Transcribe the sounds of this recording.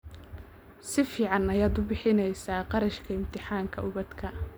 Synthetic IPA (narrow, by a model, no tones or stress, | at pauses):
sɪfiːʕɑnɐjaːd̪ʊbɪħɪnɛjsaːqɑɾɐʃkʰɐɪmt̪ʰɪħaːŋkʰɐʊβɐd̪kʰɐ